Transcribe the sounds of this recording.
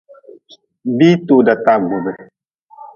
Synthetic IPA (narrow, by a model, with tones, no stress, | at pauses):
biː˦tu˨da˨ta˦ɡu˨bɨ˨